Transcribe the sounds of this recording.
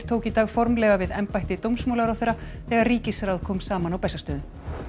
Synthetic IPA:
ɾ̥t̪ʰoːwkit̪aːɣfɔɾmlɛːɣavɪðɛmpajht̪ɪt̪owmsmowlawɾawθejɾːa | θɛɣaɾriːcɪsɾawðkʰɔːmsaːmanawpɛsast̪œːðʏn

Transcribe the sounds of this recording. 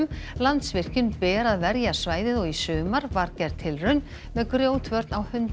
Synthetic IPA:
mlant̪svɪr̥cʏnpɛːɾaðvɛɾjḁsvaːjðɪðɔɣisʏːmaɾvaɾcɛɾt̪ʰɪlrœɥn | mɛðkɾjoːwt̪ʰvœɾt̪nawhʏnt̪

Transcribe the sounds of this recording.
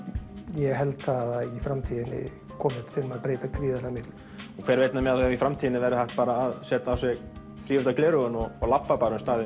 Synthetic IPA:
jɛɣɦɛlt̪aðaifɾamt̪ʰiːðɪnɪ̰ | kʰɔːmɪ̥t̪fɪlmaðpɾeːjt̪akʰɾiːðalamɪt̪lɪ̥ | ɔkʰvɛɾveːjt̪namɛðaθaaifɾamt̪ʰiːðɪnɪvɛɾɪθaht̪̚paːɾaːðsɛːt̪aːwsɛɣ | fɾiːvʏt̪aklɛːɾʏɣʏnɔɣɔɣlapːapaːɾaʏmst̪aːðɪ

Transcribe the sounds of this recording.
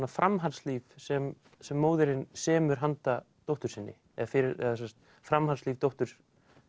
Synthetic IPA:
nafɾʔamɦansliːvsɛm | sɛmːoːwðɪɾɪnsɛːmʏɾ̥ɦant̪at̪owht̪ʏɾsɪnːɪ̰ | ɛðafɪɾɪɾɛ̰ðasɛmst̪ | fɾamhansliːvt̪owht̪ʏɾ̥

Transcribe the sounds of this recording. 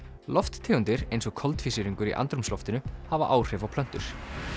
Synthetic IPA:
lɔft̪t̪ʰɛːʏnt̪ɪɾejnsɔɣkʰɔlt̪fisɪɾiŋkʏɾḭʔa̰nt̪ɾʏmslɔft̪ɪnʏhavaʔaːwr̥ɛːvawpʰlœn̥t̪ʏɾ̥

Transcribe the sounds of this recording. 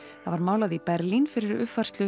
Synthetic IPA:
θaðvaɾmaːwlaðipɛɾlinfɪɾɪɾʏfar̥st̪lʏ

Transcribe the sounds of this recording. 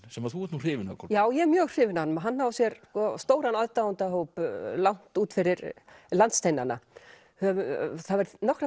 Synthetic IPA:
sɛmaðθuvɛtnur̥ɪːvɪnakʰɔjaːwjɛmjœːɣr̥ɪːvɪnanʏmɦanːhaːwvsjɛɾskɔst̪oːwɾanɔðt̪awunt̪aɦowplawn̥t̪uːt̪fɪɾɪɾlant̪st̪ejnana̰ | hœvʏθaðvɛɾnɔhkɾa

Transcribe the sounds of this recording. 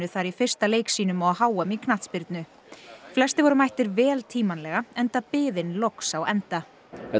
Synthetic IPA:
ʏθaɾifɪr̥st̪aleːjksiːnʏmaɦaːwœmikʰnat̪spɪɾt̪nʏ | flɛst̪ɪvɔɾʏmajht̪ɪɾvɛːlt̪ʰiːmanlɛɣaɛnt̪apɪːðɪnlowksawɛnt̪a | ɛ

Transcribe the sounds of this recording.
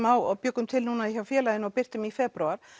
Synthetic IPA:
mawaðpjœːkʏmt̪ʰɪlnuːnaðiçavfjɛːlaðɪnɔɣpɪr̥t̪ʏmifɛpɾuaɾ̥

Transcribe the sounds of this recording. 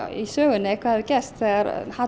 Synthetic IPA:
isœːɣʏnɪɛkʰvahaðʏcɛst̪θɛaɾha

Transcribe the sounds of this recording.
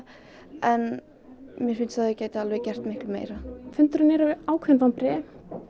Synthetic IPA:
ɛn | mjɛɾfɪnsθaðɪcaːjt̪ɪalvɛɣcɛr̥t̪mɪhklʏmḛːjɾafʏnt̪ʏɾʏnɛɾaːwkʰvɛnvawnpɾɛː

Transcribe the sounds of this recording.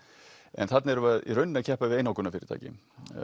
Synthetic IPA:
ɛ̰nθat̪naɛɾʏvaðḭrœɥnːnacʰɛhpaɪðeːjnowkʏnafɪːɾɪt̪a̰ːcɪ̰

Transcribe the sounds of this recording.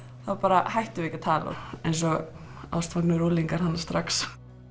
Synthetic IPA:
θavapaːɾahajht̪ʏɪicat̪ʰaːla̰ḛjnsɔɣ | a̰wst̪vaknʏɾuːliŋkaɾ̥hanːast̪ɾaks

